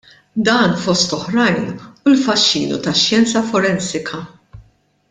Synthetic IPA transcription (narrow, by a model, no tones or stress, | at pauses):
d̪ɐːnfɔst̪ɔħɾɐjnulfɐʃːḭːnṵt̪ɐʃjɛnt͡sɐfɔɾɛnsɪkʰɐ